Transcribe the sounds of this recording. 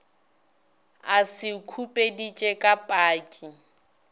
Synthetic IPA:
asɪkʰupʼedit͡ʃʼɛkʼapʼaːkʼɪ

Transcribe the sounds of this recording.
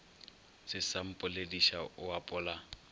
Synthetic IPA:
sɪsam̩pʼʊlediʃa̰ʔʊapʼʊːla

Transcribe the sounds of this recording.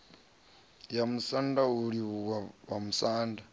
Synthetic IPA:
jamusandauɾiwawamusaːnda

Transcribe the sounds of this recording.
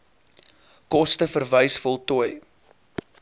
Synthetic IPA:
kɔstəfərvəjsfɔlˠtuəj

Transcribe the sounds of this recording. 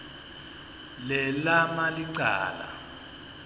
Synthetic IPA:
lɛlamaliǀa̰ːla̰

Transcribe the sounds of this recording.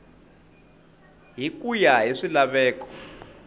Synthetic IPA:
ɦik̬ʼujaeʂilaɓɛːk̬ʼɔ̥

